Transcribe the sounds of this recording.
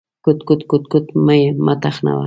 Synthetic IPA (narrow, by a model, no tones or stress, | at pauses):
kʊt̪kʊt̪kʊt̪kʊt̪majmat̪ɑχna̰w̰